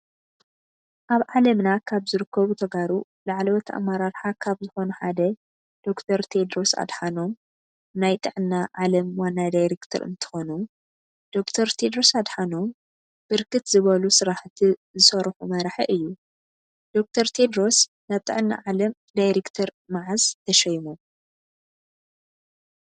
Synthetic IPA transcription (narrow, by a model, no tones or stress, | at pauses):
ʔaβʕalɐmnakʰaβzɨɾɨkʰːɐβut̪ʰɐɡaɾu | laʕlowɔt̪ʰa̰mːaɾaɾħakʰaβzɨxonuħad̪ɐ | d̪̥o̞kt̪ʰɐɾt̪ʰed̪ɾo̞sa̰d̪ħano̞m | najt̪ʼɨʕɨnːaʕalɐmwanːad̪ajɾekt̪ʰɐ̰ɾɨ̰nt̪ʰɨ̥xonu | d̪̥o̞kt̪ʰɐɾt̪ʰed̪ɾosad̪ħano̞m | b̥ɨɾkʰɨt̪zɨβɐlusɨɾaħt̪ʰizɨsɐɾħumɐɾħɐʔɨjːu | d̪̥o̞k̚t̪ʰɐɾt̪ʰe̞d̪ɾo̞s | naβt̪ʼɨ̰ʕɨnːa̰ʕalɐm | d̪ajɾekt̪ʰɐɾ | maʕazt̪ʰɐʃɐjmu